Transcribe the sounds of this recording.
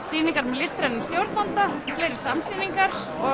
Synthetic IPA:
siːniŋkaɾmɛlɪst̪ɾajnnst̪jowɾt̪nant̪afleːjɾɪɾ̥samsiːniŋkḁ | ɔ

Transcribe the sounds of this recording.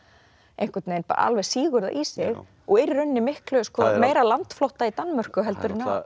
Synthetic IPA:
ejŋ̥kvɛt̪nejnpa̰ːɾa̰a̰lvɛ̥siːɣʏɾða̰ʔisɪɣ | ɔɣɪɾɾʏnːɪmɪhklœskvɔmeːjɾalant̪flɔht̪ait̪anːmœr̥kʏɦɛlt̪ʏɾɪnːa

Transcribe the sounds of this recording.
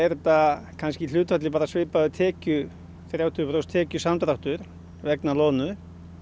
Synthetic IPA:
ɛɾt̪akʰanscɪl̥ʏːt̪fat̪lɪpaːɾasvɪːpaʏt̪ʰɛːcʏ | θɾjaːwt̪ʰʏpɾost̪ʰɛːcʏsamt̪ɾawht̪ʏɾ̥ | vɛknalɔːnʏ

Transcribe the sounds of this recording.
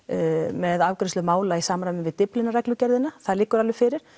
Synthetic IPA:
mɛðawkɾɪnst̪ʏmaːwlaisaːmɾajmɪnvɪðt̪ɪplɪnaɾɛklʏcɛɾðɪnːaθaðlɪːkːʏɾalvɪfɪɾɪɾ̥

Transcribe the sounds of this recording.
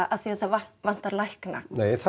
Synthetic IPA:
aθiaθavavan̥t̪aɾlajhkna̰neːjθa

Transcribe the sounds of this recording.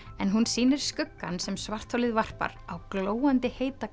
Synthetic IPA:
ɛnɦunsiːnɪɾ̥skʏkːansɛmsvar̥t̪ʰhowlɪðvar̥pa̰ɾawkloːwant̪ɪheːjt̪a

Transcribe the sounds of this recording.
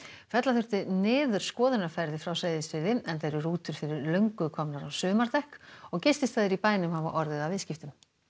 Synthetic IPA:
fɛt̪laθʏr̥t̪ɪnɪːðʏɾ̥skɔːðʏnaɾ̥fɛɾðɪfɾawseːjðɪsvɪːðɪɛnθejɾʏruːt̪ʏɾ̥fɪɾɪɾlœɥŋkʏkʰɔmnaɾawsʏːmaɾt̪ɛhkɔɣcɪst̪ɪst̪θaðɪɾipaːjnʏmhava̰ʔɔɾðɪðawvɪːscɪft̪ʏm

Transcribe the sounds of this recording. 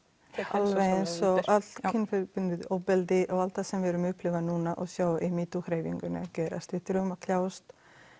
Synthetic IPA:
halvejnsɔʔat̪l̥kʰɪnfɛpʏnɪðɔwpɛlt̪ɪʔɔɣalt̪θasɛmvɛɾʏmʏhplɪvanuːnaʔɔɣsjaːwʔimiːt̪ukɾeːjvḭŋkʏnɪ̰cɛːɾa̰st̪vɪθɾʏmakʰljaːwst̪

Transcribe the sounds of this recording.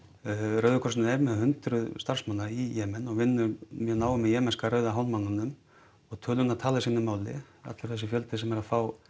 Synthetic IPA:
rœɥðʏkʰɔsnɛɾmɛðhʏnt̪ɾʏðst̪ar̥smanːaɾijɛːmɛnɔɣvɪnːʏɾmjɛnaːwʏmːɛðjɛːmɛnskaɾœːɥðaɦawnmanːanːʏm | ɔɣt̪ʰœːlʏnːaðt̪ʰaːlasiːnːɪmaːwlɪ̰ | a̰t̪lʏɾ̥θɛsːɪfjœlt̪ɪsɛmɛɾaðfaːw

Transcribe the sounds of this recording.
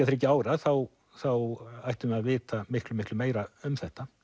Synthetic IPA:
ɛt̪θɪɾɛcːɪaːwɾaðθaw | θawajht̪ʏmɛaðvɪːt̪amɪhklʏmɪhklʏmeːjɾaʏmθɛht̪a

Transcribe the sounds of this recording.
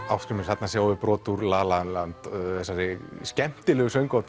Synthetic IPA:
awskɾɪɾmɪnshat̪nasjaːwvɪpɾɔːt̪uɾlaːlanlant̪θɛsːaɾɪscɛm̥t̪ɪlɛɣʏsœɥŋkɔwt̪

